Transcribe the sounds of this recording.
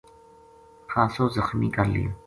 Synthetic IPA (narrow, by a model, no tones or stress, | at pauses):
kʰãːsoːzəxmḭːkaɾlḭː